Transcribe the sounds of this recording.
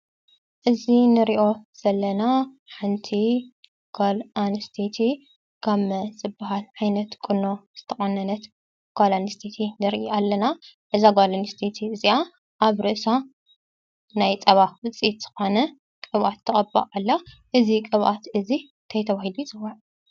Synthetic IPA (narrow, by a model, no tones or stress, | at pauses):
ʔɨzinɨɾiʔo̞z̥ɐlːɐna | ħɨnt̪ʰi | ɡ̥olanst̪ʰet̪ʰi | kʰaβz̥ɨbːaɦalʕajnɐt̪kʼɨno̞z̥ɨt̪ʰɐχʼɐnːɐnɐt̪ | ɡ̥olanst̪ʰet̪ʰinɨɾʔiʔalːɐnaʔɨzaɡolanst̪ʰet̪ʰiɨzia | ʔaβɾɨʔsa | najt͡sʼɐβawɨt͡sʼit̪z̥ɨ̥xo̞nɐ | kʼɨβʔat̪ʰːɐkʼɐbːa̰alːa | ʔɨzikʼɨβʔat̪ɨzi | t̪ʰɐjt̪ʰɐβahiluzʼɨwaʕ